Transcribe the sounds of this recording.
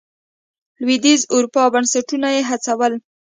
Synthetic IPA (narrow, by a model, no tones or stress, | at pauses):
lwid̪izʊɾupɑbansaʈunajeɦat͡sawəl